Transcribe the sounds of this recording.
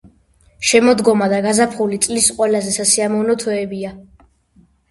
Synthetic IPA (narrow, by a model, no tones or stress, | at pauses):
ʃɛmɔd̪ɡɔmad̪aɡazapʰχulit̪sʼlisqʼwɛlazɛsasiamɔvnɔt̪ʰɛɛbia